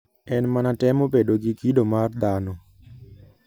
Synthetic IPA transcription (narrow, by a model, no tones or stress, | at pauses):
ɛnmanatɛmobedoɡikidomard̪anɔ